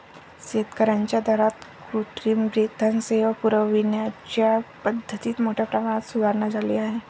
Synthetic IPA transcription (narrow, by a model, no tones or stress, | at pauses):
set̪kəɾənt͡ɕad̪ʱaɾat̪kɾuʈɾimbɾit̪ːənseʋəpuɾəʋinjat͡ʃapəd̪ʱːət̪iːt̪moʈʰepɾəmañət̪sud̪ʱaɾnad͡ʒaliaɦe